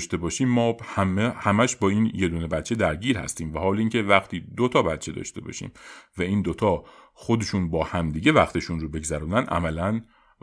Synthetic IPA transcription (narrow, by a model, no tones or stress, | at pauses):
ʃt̪e̞bɒːʃiːmːɒːhæmehæmæʃbɒːiːnje̞d̪uːnebæt̪t͡ʃʰe̞d̪æɾɟiːɾhæ̰st̪iːmvæhɒːliːŋcʰe̞væxt̪ʰiːd̪ot̪ʰɒːbæt̪t͡ʃʰe̞d̪ɒ̰ːʃt̪e̞̰bɒ̰ːʃḭːmvæiːnd̪ot̪ʰɒː | xo̞d̪eʃuːnbɒːhæmd̪iːɟe̞væχt̪ʰe̞ʃuːnɾoːbe̞ɡzæɾuːnænd̪ʔæ̰mælæn